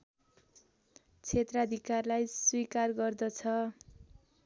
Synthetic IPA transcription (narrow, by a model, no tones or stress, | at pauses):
t͡sʰet̪rʌd̪ʱikarlajswikarɡʌrd̪ʌt͡sʰʌ